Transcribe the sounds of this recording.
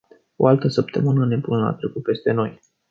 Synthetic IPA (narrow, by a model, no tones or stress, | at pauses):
o̞̰alt̪əsəp̚t̪ə̰mɨnəne̞bunla̰t̪ɾekupe̞st̪e̞no̞j